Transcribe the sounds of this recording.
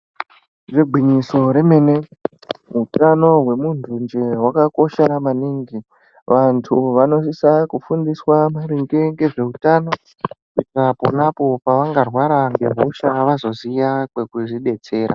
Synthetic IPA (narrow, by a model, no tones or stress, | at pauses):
ʐeɡʱwiɲiso̞ɾe̞me̞ːne̞ | ɦutano̞ɦwe̞muntʰund͡ʒe̞ɦwakako̞ʃeɾamaniŋɡi | ʋantʰuʋano̞sisakufundiswamaɾiŋɡeŋɡe̞ʐe̞utano̞ | kuitrapo̰napo̞paʋaŋɡarwaɾaŋɡe̞ɦoʃaʋazo̞zijakwe̞kuʐiɗe̞t͡se̞ːɾa̰